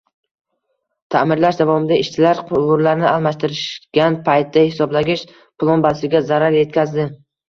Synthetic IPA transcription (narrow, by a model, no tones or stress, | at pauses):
t̪ʰamɪɾlaʃd̪avɒmɪd̪aɪʃt͡ʃʰɪlaɾqʰʊʁʊɾlaɾnɪalˠmaʃt̪ɪɾɪʃɡ̥ʲanpʰajt̪ʰːahɪsɒblaɡʲɪʃ | pʰʊlˠɒnbasɪɡʲazaɾaɾje̞t̪̚kʲʰazd̪ɪ